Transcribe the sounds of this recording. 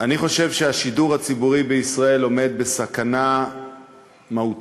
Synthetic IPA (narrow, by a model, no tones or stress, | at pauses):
ʔaniχo̞ʃe̞vʃeaʃiduʁhat͡sibuʁibeisʁae̞lo̞me̞d̚be̞sakana | maut